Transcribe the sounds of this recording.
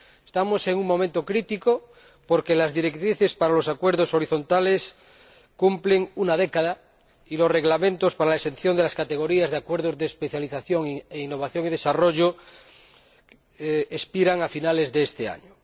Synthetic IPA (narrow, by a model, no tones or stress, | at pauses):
e̥st̪amose̞ŋuŋmo̞mẽnt̪okɾit̪iko | poɾkelazðiɾek̚t̪ɾiθespaɾalo̞sakweɾðoso̞ɾiθo̞nt̪ales | kumpleŋunað̞ekaða | ilo̞sre̞ɣlamẽnt̪ospaɾalaesen̟θjond̪elaskat̪eɣo̞ɾiazðeakweɾð̞ozðeːspeθjaliθaθjoŋieinːo̞β̞aθjoŋið̞e̞saroʝo | espiɾaŋafinale̞zðeest̪ea̰ɲo